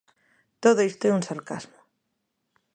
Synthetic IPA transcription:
t̪oðoist̪oɛunsaɾka̰zmo

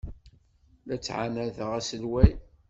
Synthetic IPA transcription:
læt͡sːʕanæðəʁæsəlwæj

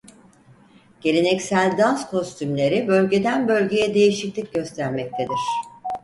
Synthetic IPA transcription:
ɟ̥e̞ɾʲenɛcsælʲd̪anskʰo̞st̪ʰymlʲe̞ɾibø̞lʲɟe̞d̪ænbø̞lʲɟe̞jɛd̪e̞jiʃiclʲic̚ɟø̞st̪ʰæɾmɛc̚t̪ʰe̞d̪iɾ̝̥

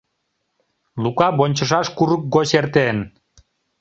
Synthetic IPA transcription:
lukɑbonʲt͡ɕəʃ̬ɑʃkuɾək̚ɡoɕert̪en

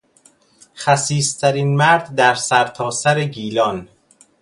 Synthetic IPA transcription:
xæsiːst̪ʰæɾinmæɾd̪ːæɾsæɾt̪ʰɒːsæɾeɟiːlɒn

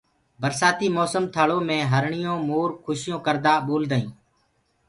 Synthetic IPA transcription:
bəɾsaːt̪iːmɔːsəmt̪ʰəɭõːmẽːɦəɾɳɪjõːmoːɾkʰʊʃɪjõːkəɾd̪aːɓoːld̪aːĩː

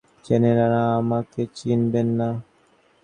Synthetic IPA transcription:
t͡ʃeneɾaɾaːmaket͡ʃinbɛnːa

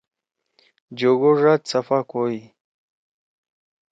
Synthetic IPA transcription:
d͡ʑoɡoʐat̪t͡safakoi

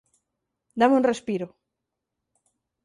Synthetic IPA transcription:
d̪amũnrespiɾʊ

